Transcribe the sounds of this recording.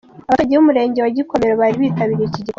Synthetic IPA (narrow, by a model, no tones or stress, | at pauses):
aβaaɟiumuɾe̞ːɲɟewaɟiko̞me̞ɾoβaːɾiβiːtaβiːɾiiciɟik